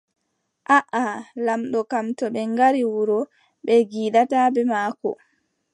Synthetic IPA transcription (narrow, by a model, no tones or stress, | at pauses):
ʔaʔalamɗɔkamtɔɓɛŋɡaɾiwuɾɔ | ɓɛɡiːɗatabɛmaːkɔ̰